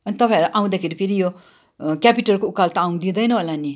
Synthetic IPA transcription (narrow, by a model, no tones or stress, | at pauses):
ʌnit̪ʌpãj̃ʌɾuʔaw̃d̪akʰeɾipʰeɾijo | kʲapiʈʌrkoukalt̪aaw̃d̪id̪ʌjnʌɦolani